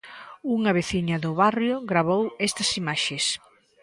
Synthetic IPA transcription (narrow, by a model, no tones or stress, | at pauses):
uŋɐβeθiɲɐðʊβarjʊɣɾaβowɛst̪ɐsimaʃes